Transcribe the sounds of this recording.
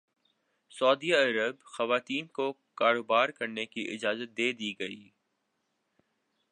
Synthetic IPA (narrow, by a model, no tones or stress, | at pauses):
sɔːd̪iɐɾəbxɐʋaːt̪iːnkokaːɾoːbaːɾkɐɾnekiʔɪ̰d͡ʒaːzət̪̚d̪eːd̪iɡɐiː